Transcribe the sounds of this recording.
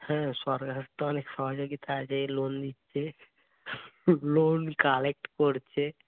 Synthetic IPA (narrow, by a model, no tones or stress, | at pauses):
hɛ̃ʃɔɾɡaɾt̪ːoɔnekʃɔɦod͡ʒoɡit̪ʰaad͡ʑelond̪it̪ːʃʰe | lonkalek̚ʈkoɾt͡ɕʰe